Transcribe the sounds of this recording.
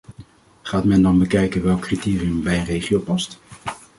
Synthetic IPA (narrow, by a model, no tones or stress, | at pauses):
χaːtmɛndɑnbəkɛjkənʋɛlˠkːritɪːriəmbɛjənrejχiowpɑst